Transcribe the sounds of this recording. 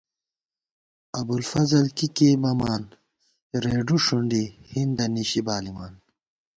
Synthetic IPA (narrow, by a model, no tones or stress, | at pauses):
ɐbulfɐzɐlkikemɐmaːn | ɾeːɖuʂuɳɖihind̪ɐniɕibaːlimaːn